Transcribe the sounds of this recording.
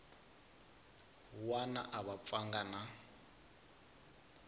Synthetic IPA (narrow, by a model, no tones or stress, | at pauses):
wana̰ʔaβap̪faŋɡana